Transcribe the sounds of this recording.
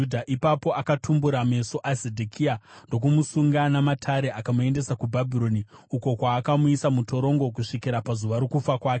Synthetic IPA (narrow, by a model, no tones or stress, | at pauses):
udʱaʔipapo̞ʔakatʰumbuɾame̞so̞ʔasedʱokʰiando̞k̬umusuŋɡanamatʰaɾe̞ʔakamue̞nde̞sakubʱabʱiɾo̞niuko̞kwaːkamuisamuto̞ɾo̞ŋɡo̞kuʂikiɾapazuʋaɾokufakwaːkee